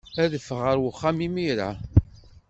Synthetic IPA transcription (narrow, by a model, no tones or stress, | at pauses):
æðəfəʁəɾwəχːamimiɾa̰